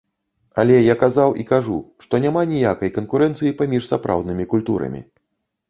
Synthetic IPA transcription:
a̰lʲɛjakazawʔikaʐuʂt̪ɔnʲamanʲijakɐjkɐnkuɾɛnt̪sɨjipamʲiʂsapɾa̰wd̪nɨmʲikulʲt̪ṵɾɐ̰mʲḭ

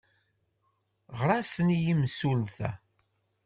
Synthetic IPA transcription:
ʁɾˤasənijimsulθæ̰

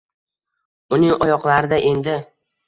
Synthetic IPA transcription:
ʊnɪŋɒjɒqlˠaɾɪd̪aʔe̞nd̪ɪ

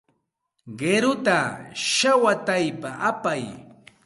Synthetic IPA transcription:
ɢeɾʊt̪aʃawat̪ajpaʔapaj

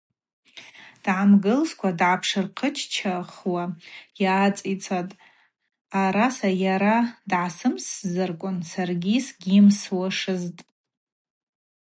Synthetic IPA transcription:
d̥ʕamɡɨlskʷʰadʕapʰʂɨrqʰət͡ʃʰt͡ʃʰaχwajaːt͡sʼit͡sʰatʼ | aɾasajaɾadʕasɨmszɨrkʷʼʊnsarɡʲisɡʲɪmswaʂɨztʼ

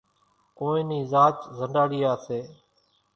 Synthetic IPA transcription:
koːĩːniːzaːt͡ʃzəɳɖaːɽiːaːseː

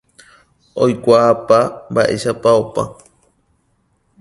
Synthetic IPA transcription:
ojkʷaːpambaʔḛʃapaopa̰

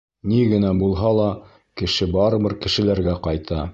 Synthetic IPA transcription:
niɡɘ̆næbulˠɦɑlˠɑ | kɘ̆ʃɘbɑɾɤ̆βɤɾkɘ̆ʃɘ̆læɾɡæqɑjt̪ʰɑ

